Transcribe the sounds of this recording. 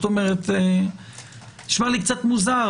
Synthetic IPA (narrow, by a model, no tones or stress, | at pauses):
t̪omeʁet̪e | niʃmalikt͡sat̪muza